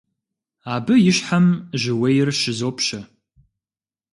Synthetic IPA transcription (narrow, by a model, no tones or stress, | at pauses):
aːbɨjɪʃħamʒɪwejrʃɪzoːpʰʃɐ